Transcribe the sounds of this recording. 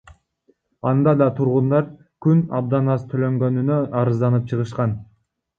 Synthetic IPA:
ɑnd̪ɑd̪ɑt̪ʰuɾʁund̪ɑɾ | kynɑb̚d̪ɑnɑst̪ʰølø̞ŋɡø̞nynøɑɾɯzd̪ɑnɯp̚t͡ʃʰɯʁɯʃqɑn

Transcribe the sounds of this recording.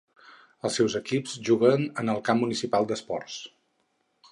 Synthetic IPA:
əlˠsɛwzəkipzʒuɣənənəlˠkamːunisipalˠd̪əspɔ̰rs

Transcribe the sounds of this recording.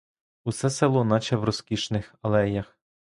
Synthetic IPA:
usɛsɛlˠɔnɑt͡ʃɛwrɔskʲiʃnɪxɐlˠɛjɐx

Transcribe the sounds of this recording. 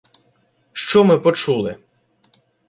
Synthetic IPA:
ʃt͡ʃɔmɪpɔt͡ʃulˠɪ

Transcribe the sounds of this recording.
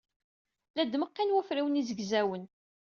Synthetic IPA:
læd̪məqːinwæfɾiwənizəɡzæwən

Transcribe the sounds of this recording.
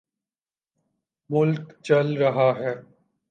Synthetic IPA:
mʊlkt͡ʃɐlɾɐɦaɦɛː

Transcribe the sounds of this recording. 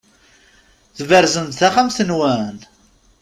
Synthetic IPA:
θvəɾzənt̪θæχamθənwæn

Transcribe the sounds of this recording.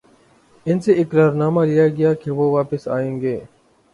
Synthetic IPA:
ɪnseʔɪkɾaːɾnaːmalɪjaɡɐjaːkeʋoːʋaːpɪsa̰ːẽːŋɡeː

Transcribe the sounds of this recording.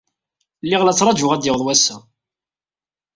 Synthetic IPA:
lːiʁlæt͡sːɾˤɑd͡ʒʊʁæd̪jəwðˤwæsæ

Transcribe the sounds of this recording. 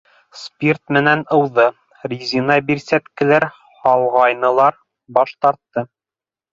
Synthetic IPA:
spʲirt̪mɘ̆nænɤ̆wðɤ | rʲizʲinɑbiɾsæt̪kɘ̆læɾ | hɑlˠʁɑjnɤ̆lˠɑɾ | bɑʃt̪ɑɾt̪ːɤ

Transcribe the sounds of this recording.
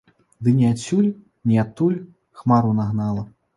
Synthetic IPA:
d̪ɨnʲiat͡sʲulʲ | nʲiat̪ulʲ | xmaɾunaɣnalˠɐ

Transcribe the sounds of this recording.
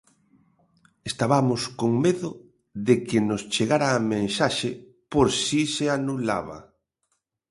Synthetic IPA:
est̪aβamʊskoŋmeðʊ | ðɪkɪnost͡ʃeɣaɾaːmẽnsaʃɪ | poɾsiseanula̰βa̰

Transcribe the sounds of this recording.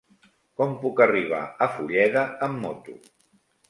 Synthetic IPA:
kɔmpukəriβ̞a̰əfuʎɛðəəmːɔt̪u

